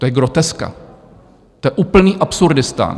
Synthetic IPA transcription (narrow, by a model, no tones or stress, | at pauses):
t̪ojɛɡɾot̪ɛska̰ | t̪ojɛʔuːpl̩niːʔapsuɾdɪst̪a̰ːn